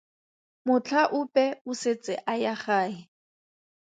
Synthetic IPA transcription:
mʊt͡ɬʰaʔʊpʼɛʊset͡sʼɪ̰ʔajaχaːɦɪ

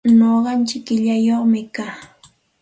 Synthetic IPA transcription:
noɢɑnt͡ʃɪkːɪʎajoχmɪkaː

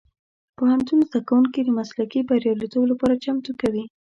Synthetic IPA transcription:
pohant̪unzd̪akawuŋkid̪əmaslakibaɾjɑlet̪oblapɑɾat͡ʃamt̪okawi

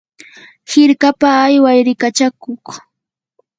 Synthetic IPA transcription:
hɪɾkapaːjwajɾɪkat͡ʃakoχ

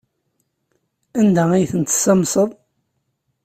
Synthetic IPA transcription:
ænd̪æijθənt̪ə̥sɑmsˤəðˤ

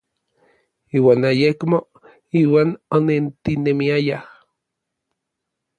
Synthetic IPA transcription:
iːwaːnajekmo | iːwaːnonent̪inemiajah

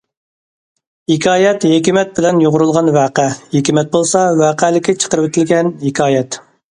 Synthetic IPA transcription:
hekʰʲɑːjɛt̪hekʲimɛt̪̚bɪlɛnjoʁʊɾulˠʁɑnvæːqæhekʲimɛt̪̚bolˠsɑvæːqʰælɪkʲʰːɛt͡ʃʰə̥qəɾɨwet̪ʰɪlɡʲɛnhekʰʲɑːjɛt̪

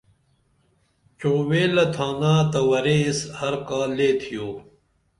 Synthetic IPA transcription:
t͡ɕoːweːlɐt̪ʰaːnaːt̪ɐwɐɾeshɐɾkaːleːt̪ʰijoː

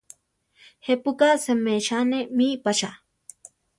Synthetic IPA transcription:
hepukasemeʃanemipaʃa

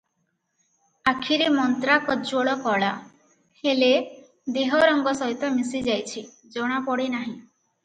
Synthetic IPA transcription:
akʰiɾimɔnt̪ɾakɔd͡ʒoɭɔkɔɭa | hele | d̪eɦɔɾɔŋɡɔsɔɦit̪ɔmisid͡ʒajt͡ʃʰi | d͡ʒɔɽ̃apɔɽinaɦĩ

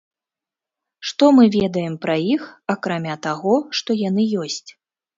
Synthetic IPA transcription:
ʂt̪ɔmɨvʲɛd̪ɐjɛmpɾɐjixakɾamʲat̪aɣɔʂt̪ɔjanɨjɔsʲt͡sʲ

